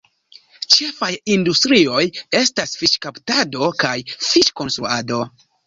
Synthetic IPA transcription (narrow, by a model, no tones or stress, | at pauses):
t͡ʃe̞fajindustɾio̞je̞stasfiʃkaptado̞kajfiʃko̞nsɾuado̞